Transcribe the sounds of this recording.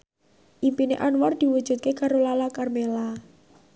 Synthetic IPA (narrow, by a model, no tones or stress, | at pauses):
ʔimpinḛʔanwɔrd̪̥i̤wud̥ʒ̥ṳt̪̚kekaɾolalakarmela